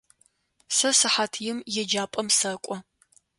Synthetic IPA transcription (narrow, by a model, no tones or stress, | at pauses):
sɐsɨħaːtʰjɪmjɛd͡ʒaːpʼɐmsɐkʷʼɔ